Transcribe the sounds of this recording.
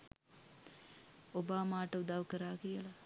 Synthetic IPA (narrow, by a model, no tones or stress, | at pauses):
obaːmaːʈəud̪aʋkəɾaːkijəla